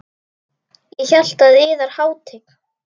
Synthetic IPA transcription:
jɛçɛl̥t̪aðɪːðaɾ̥haːwt̪ʰɪk

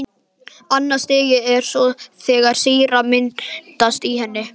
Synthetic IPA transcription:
anːast̪eːjɪɛɾ̥sɔθɛɣaɾ̥siːɾamɪnt̪ast̪iɦɛnːɪ

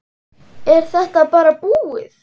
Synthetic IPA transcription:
ɛɾ̥θɛht̪apaːɾapuːɪθ

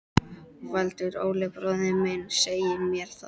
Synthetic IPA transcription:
valt̪ʏɾo̰ːwlɛpɾoːðɪmɪnseːjɪmjɛɾ̥θa

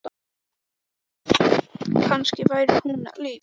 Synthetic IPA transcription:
t̪ | kʰanscɪvajɾɪ̥huːna̰liːp

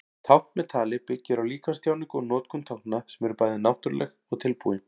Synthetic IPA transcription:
t̪ʰawht̪mɛt̪ʰaːlɪpɪcːɪɾawliːkḁst̪jaːwniŋkɔnɔːt̪kʰʏnt̪ʰawhknasɛmɛɾʏpaːjðɪnawht̪ʏɾlʔɛ̰xɔɣt̪ʰɪlpuːɪ

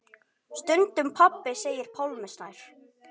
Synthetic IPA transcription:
st̪ʏnt̪ʏmpʰapːɪseːjɪɾ̥pʰawlmɪsnajɾ̥

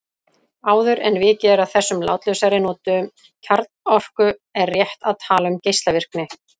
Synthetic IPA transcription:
aːwðʏɾɛnvɪːcɛːɾaðθɛsːʏmla̰ːwt̪lœsaɾɪnɔːt̪ʏ | cʰaɾt̪nɔfkʏɛɾrrjɛht̪aðt̪ʰaːlʏmcejst̪lavɪr̥knɪ

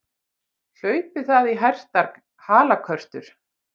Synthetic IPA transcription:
l̥œːɥpɪθaðiɦar̥t̪aɾk | haːlakʰœr̥t̪ʏɾ̥

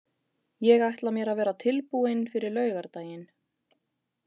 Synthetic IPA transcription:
jɛɣajht̪lamjɛːɾavɛːɾat̪ʰɪlpuɪnfɪɾɪɾlœːɥɣaɾt̪aːjɪn

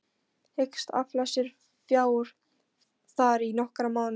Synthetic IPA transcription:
hekst̪a̰flasɪɾ̥ | fjaːwʏɾ̥ | θaɾinɔhkɾamaːwn

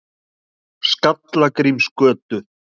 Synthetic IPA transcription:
skat̪lakɾimskœːt̪ʏ

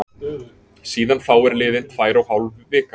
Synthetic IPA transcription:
siːðanθawɛɾlɪːðɪn̥t̪faːjɾawhawlvvɪːka

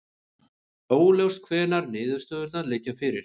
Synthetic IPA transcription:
oːwlewst̪̚kʰvɛːnaɾnɪːðʏ̥st̪œːðʏɾt̪aðlɪːjcːafɪɾɪɾ̥

